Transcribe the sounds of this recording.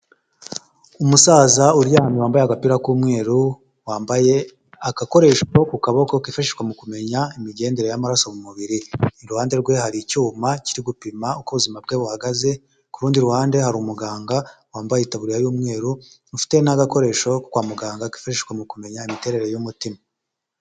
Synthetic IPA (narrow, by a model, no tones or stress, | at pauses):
umusaːzauɾjaːmiwaːmbajeaɡapiɾakuːmŋe̞ːɾu | waːbje | aɡako̞ɾe̞ʃokukaβokokifaʃeʃkwamukume̞ɲaimiɡe̞ːnde̞ɾe̞jamaɾaso̞mumuβiɾiɾuhaːnde̞ɾɡwe̞haɾicuːmaciɾiɡupimaukuβuzimab̚ɡe̞βuhaɡaze̞ | kuɾuːndiɾuhaːndehaɾumuɡaːŋɡawaːmbajeitaβuɾiɾajuːmŋe̞ːɾunufi̥te̞naɡako̞ɾe̞ʃo̞kkwaːmuɡaːŋɡaki̥faʃeʃkwamukume̞ɲaimite̞ɾe̞ɾe̞jumutima